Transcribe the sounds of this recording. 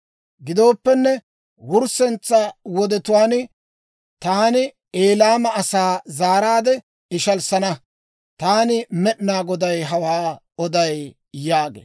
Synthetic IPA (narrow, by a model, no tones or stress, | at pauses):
ɡɪd̪o̞ːpːɛnːɛ | wʊɾsɛnt͡sːɐwɔd̪ɛt̪ʊwaːn | t̪aːnɪ | eːlaːmɐɐsaːzaːɾaːd̪ɛ | ɪʃɐlsɐnɐ | t̪aːnɪmɛɗnaːɡɔd̪ɐjɦɐwaː | ɔd̪ɐj | jaːɡḛː